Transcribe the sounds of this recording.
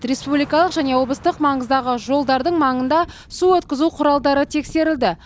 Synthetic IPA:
ɾe̞spublijkɑlˠəqʒæne̞wo̞blˠəst̪əqmɑɴəzd̪ɑʁəʒo̞lˠd̪ɑɾd̪əɴmɑɴənd̪ɑ | suwɵt̪kʲɪzuqʰʊɾɑlˠd̪ɑɾət̪ʰe̞kse̞ɾɪld̪ɪ

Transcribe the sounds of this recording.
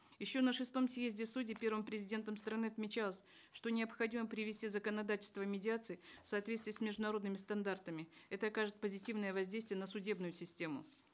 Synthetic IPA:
jɪɕːo̞nəʂɨst̪o̞msjezʲdʲɪsudʲɪpʲe̞rvəmpɾʲɪzʲɪdʲe̞nt̪əmst̪ɾɐnɨɐt̪mʲɪt͡ɕalˠəsʲ | ʂt̪o̞nʲɪəpxɐdʲiməpɾʲɪvʲɪsʲtʲizəkənɐd̪atʲɪlʲst̪vəmʲɪdʲɪat̪sɨɪfsɐːt̪vʲest̪vʲɪjəsʲmʲɪʐd̪ʊnɐɾo̞d̪nɨmʲɪst̪ɐnd̪art̪əmʲɪɛt̪əɐkaʐɨt̪̚pəzʲɪtʲivnəjəvɐzʲdʲejst̪vʲɪjənəsʊdʲe̞bnʊjʊsʲɪsʲtʲe̞mʊ

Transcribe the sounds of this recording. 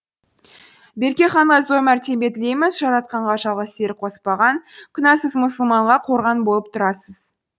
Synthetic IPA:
be̞ɾkʲe̞χɑɴʁɑzo̞mæɾt̪ʰe̞mbe̞t̪ɪle̞jmɪzʒɑɾɑt̪̚qɑɴʁɑʒɑlˠʁɑst̪e̞ɾqʰo̞spɑʁɑnkʲʰʏnɑsəzmʊsəlˠmɑɴʁɑqʰo̞ɾʁɑnbo̞lˠəp̚t̪ʰʊɾɑsəz

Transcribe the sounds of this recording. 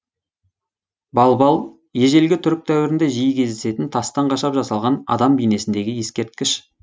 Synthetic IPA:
bɑlˠbɑlˠ | je̞ʒe̞lɡʲɪt̪ʰʏɾɪk̚t̪ʰæwɪɾɪnd̪e̞ʒijkʲʰe̞zd̪ese̞t̪ɪnt̪ʰɑst̪ɑɴqʰɑʃɑpʒɑsɑlˠʁɑnɑ̰d̪ɑmbijne̞sɪnd̪e̞ɡʲɪje̞skʲe̞ɾt̪̚kʲɪʃ

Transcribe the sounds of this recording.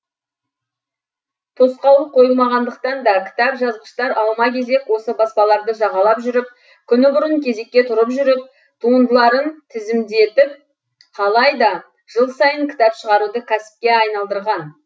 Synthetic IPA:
t̪ʰo̞sqɑlˠəp̚qʰo̞jəlˠmɑʁɑnd̪əqt̪ɑnd̪ɑkʲʰɪ̥t̪ɑpʒɑzʁəʃt̪ɑɾɑw̪ˠmɑkʲʰe̞ze̞kwo̞səbɑspɑlˠɑɾd̪əʒɑʁɑlˠɑpʒʏɾɪp̚ | kʲʰʏnɪbʊɾəŋkʲʰe̞ze̞kʲːe̞t̪ʰʊɾəpʒʏɾɪp̚ | t̪ʰuənd̪əlˠɑɾənt̪ʰɪzɪmd̪e̞t̪ɪp̚ | qʰɑlˠɑjd̪ɑ | ʒ̥əlˠsɑjəŋkʲʰɪ̥t̪ɑpʃəʁɑɾud̪əkʲʰæsɪ̥p̚kʲe̞ɑjnɑlˠd̪əɾʁɑn

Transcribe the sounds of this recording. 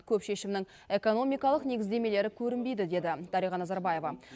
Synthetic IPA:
kʲʰɵpʃe̞ʃɪmnɪŋ | e̞ko̞no̞mijkɑlˠəqne̞ɡʲɪzd̪e̞me̞le̞ɾɪkʲʰɵɾɪnbe̞jd̪ɪd̪e̞d̪ɪd̪̥ɑɾijʁɑnɑzɑɾbɑje̞vɑ

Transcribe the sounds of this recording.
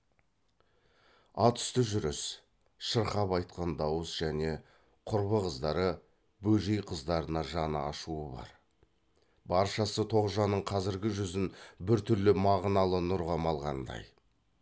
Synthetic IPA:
ɑt̪ʰʏ̥st̪ɪʒʏɾɪs | ʃəɾχɑpɑjt̪̚qɑnd̪ɑwəsʒ̥æne̞ | qʰʊɾbəʁəzd̪ɑɾə | bɵʒejqʰəzd̪ɑɾənɑʒɑnəɑ̰ʃuəbɑ̰ɾ | bɑɾʃɑsət̪ʰo̞ʁʒɑnəɴqʰɑzɪɾɡʲɪʒʏzɪnbɪɾt̪ʰʏɾlɪmɑʁnɑlˠənʊɾʁɑmɑlˠʁɑnd̪ɑ̰j

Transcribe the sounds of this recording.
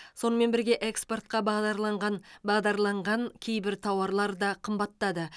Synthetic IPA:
so̞nəme̞nbɪɾɡʲe̞ʔekspo̞rt̪̚qɑbɑʁd̪ɑɾlˠɑɴʁɑnbɑʁd̪ɑɾlˠɑɴʁɑŋkʲʰe̞jbɪɾt̪ʰɑwɑɾlˠɑɾd̪ɑqʰəmbɑt̪ːɑd̪ə

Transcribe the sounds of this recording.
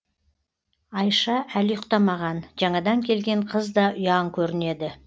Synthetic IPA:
ɑjʃɑʔæljʊqt̪ɑmɑʁɑnʒɑɴɑd̪ɑŋkʲʰe̞lɡʲe̞ɴqʰəzd̪ɑʔʊjɑŋkʲʰɵɾɪne̞d̪ɪ

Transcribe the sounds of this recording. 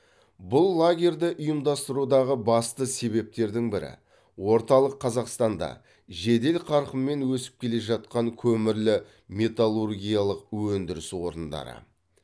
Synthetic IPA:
bʊlˠːaɡʲe̞ɾd̪ɪʔʊjəmd̪ɑst̪əɾud̪ɑʁəbɑst̪əse̞βe̞p̚t̪e̞ɾd̪ɪŋbɪɾɪ̰ | wo̞ɾt̪ɑlˠəqʰːɑzɑqst̪ɑnd̪ɑ̰ | ʒe̞d̪e̞lqʰɑɾqəmːe̞nwɵsɪ̥p̚kʲʰe̞le̞ʒɑt̪̚qɑŋkʲʰɵmɪɾlɪ | me̞t̪alˠurɡʲijalˠəq̚wɵnd̪ɪɾɪswo̞ɾənd̪ɑ̰ɾə̰

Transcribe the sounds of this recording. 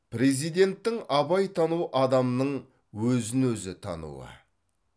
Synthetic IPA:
pʰɾe̞zijd̪e̞nt̪ːɪŋɑbɑjt̪ʰɑnuʔɑd̪ɑmnəɴ | wɵzɪnwɵzɪt̪ʰɑ̰nṵə̰

